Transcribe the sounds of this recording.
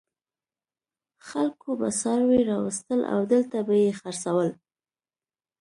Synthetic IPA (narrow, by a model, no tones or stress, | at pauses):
xalkoba̰sɑɾweɾɑwəst̪əlʔa̰wd̪əlt̪abajexaɾsawəl